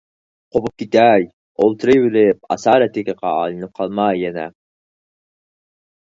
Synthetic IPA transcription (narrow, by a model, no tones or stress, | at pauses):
qʰobup̚kʲʰit̪æj | olˠt̪ʰɨɾɨjbɪlɪp̚ɑ̰sɑːɾɛt̪ʰɪkʲɪqɑɑ̰ːlˠɨnɪp̚qʰɑlˠmɑjːɛnɛ̰